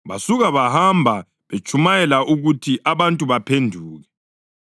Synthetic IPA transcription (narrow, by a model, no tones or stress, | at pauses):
βa̰suɣaβahambʱa | βet͡ʃʼumajɛlaʔuɣutʰiʔaβantʼuβapʰendʱuːɣɛ